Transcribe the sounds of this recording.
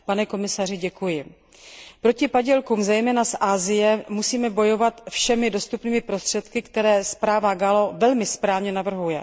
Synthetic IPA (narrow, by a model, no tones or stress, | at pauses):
panɛko̞mɪsar̝ɪɟɛkujɪ | pɾo̞cɪpaɟɛlkuːmzɛjmɛːnasʔaːzɪjɛmusiːmɛbo̞jo̞vat̪fʃɛmɪdo̞st̪upniːmɪpɾo̞st̪r̝̥ɛt̪kɪkt̪ɛɾɛːspɾaːvaɡalovɛlmɪspɾaːvɲɛnavr̩ɦujɛ̰